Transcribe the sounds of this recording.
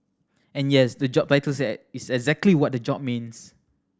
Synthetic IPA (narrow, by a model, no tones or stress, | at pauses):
ɛ̃njɛsdəd͡ʒɔb̚taɪjtəlsɛɪsɛɡzɛk̚tliwɔt̚dəd͡ʒɔb̚mĩns